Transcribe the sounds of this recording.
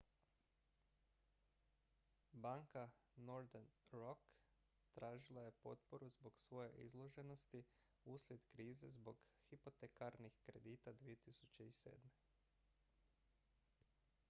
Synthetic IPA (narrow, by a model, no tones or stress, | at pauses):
baŋkanoɾd̪enɾok | t̪ɾaːʒilˠaje̞po̞̰t̪poɾuzbo̞ɡsʋo̞je̞̰ʔḭzlˠo̞ʒe̞no̞st̪i | uːslʲje̞d̪kɾiːze̞zbo̞ɡhipo̞t̪ekaɾnixkɾe̞d̪iːt̪ad̪ʋie̞t̪isut͡ʃe̞isḛːd̪me̞